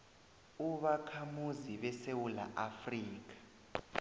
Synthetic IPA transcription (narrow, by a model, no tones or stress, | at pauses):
uɓakʰamuziɓɛsewula̰ʔafriːk̬ḁ